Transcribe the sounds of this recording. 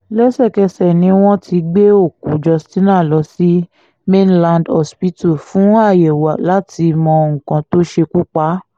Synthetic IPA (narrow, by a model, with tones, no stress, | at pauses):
lɛ˦sɛ˦˨kɛ˧sɛ˨nĩ˧˦w̃ɔ̃˦tʰi˧ɡ͡be˦o˦˨ku˨˦d͡ʒɔ˧stĩ˦nãː˦˨lɔ˧si˦ | mẽ˦nlã˧ndɔ˦spi˦tu˦˨fũ˨˦a˦˨jɛ˨wa˨la˨˦ti˧mɔ̃˧ŋ̩̃˨kã˧˦to˦ʃe˧ku˦k͡pa˨˦